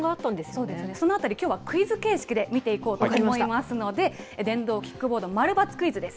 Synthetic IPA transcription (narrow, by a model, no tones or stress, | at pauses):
ɡaat̪ːãnd̪esso̞ːd̪e̞sɨne̞so̞no̞at̪aɾʲikʲoːβakɯ̟izɨke̞ːɕi̥kʲid̪e̞mʲit̪e̞iko̞ːt̪omoimasɨno̞d̪e̞ | d̪ẽ̞nd̪o̞ːkʲi̥kːɯ̟bo̞ːd̪o̞maɾɯ̟bat͡sɨ̥kɯ̟izɨd̪e̞sɨ̥